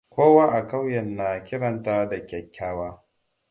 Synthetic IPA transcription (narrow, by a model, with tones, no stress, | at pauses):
kʷoː˦waː˦ʔa˨ka˦wjɐ˨nːaː˨kʲɪ˦ɽɐ˨ntaː˦da˨kʲɛ˨kʲʰːaː˦waː˦